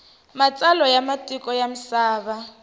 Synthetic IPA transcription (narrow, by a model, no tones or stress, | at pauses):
mat͡sʼalɔjamatʼikʼɔjam̩saːβa